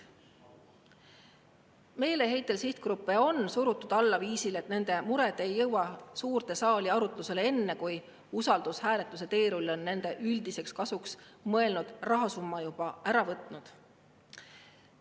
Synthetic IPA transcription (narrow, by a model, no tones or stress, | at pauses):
me̞ːle̞ɦe̞jt̪ːˑe̞lsiht̪̚kɾupːˑe̞o̞nsuɾut̪ːˑud̪̥ɑlːɑviːsile̞t̪ne̞nd̪̥e̞muɾe̞d̪̥e̞jːɤwwɑsuːrt̪e̞sɑːliɑɾut̪ˑluse̞leenːe̞kuj | usɑld̪̥ushæːle̞t̪ˑːuse̞t̪e̞ːɾulːo̞nːe̞nd̪̥e̞ʔyld̪ise̞kskɑsuksmɤe̞lnud̪̥rɑɦɑsumːɑjub̥ɑæɾɑvɤt̪ˑnud̪̥